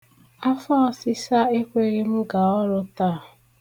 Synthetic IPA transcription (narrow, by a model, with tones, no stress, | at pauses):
a˦fa˦si˦sa˦e˦kʷe˦ɾi˦m̩˦ɡa˨ɔ˦ɾʊ˦taː˦˨